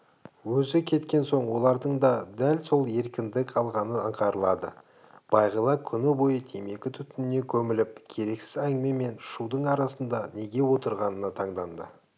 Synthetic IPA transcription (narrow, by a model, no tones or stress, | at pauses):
wɵzɪkʲʰe̞t̪kʲe̞nso̞ɴwo̞lˠɑɾd̪əɴd̪ɑd̪ælso̞lˠe̞ɾkʲɪnd̪ɪkʲɑlˠʁɑnəəɴqʰɑɾəlˠɑd̪ə̰ | b̥ɑjʁəlˠɑkʲʰʏnɪbo̞jət̪ʰe̞me̞kʲɪt̪ʰʏt̪ʏnɪne̞kʲʰɵmɪlɪp̚kʲʰe̞ɾe̞ksɪzæŋme̞me̞nʃud̪əɴɑɾɑsənd̪ɑne̞ɡʲe̞wo̞t̪əɾʁɑnənɑt̪ʰɑɴd̪ɑnd̪ə̰